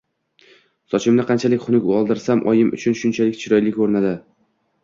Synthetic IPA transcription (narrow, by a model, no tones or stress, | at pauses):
sɒt͡ʃʰɪmnɪqʰɑnt͡ʃʰalɪkʲχʊnʊkʲʊɒlˠd̪ɪɾsamʔɒ̰jɪmʊ̰t͡ʃʰʊnʃʊnt͡ʃʰalɪkʲt͡ʃʰɪɾɒjlɪkʲʰːɵɾnad̪ɪ